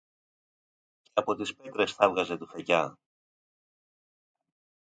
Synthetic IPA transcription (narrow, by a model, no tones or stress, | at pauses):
ceɐpo̞t̪ispet̪ɾe̞sθɐvɣɐze̞t̪ufecɐ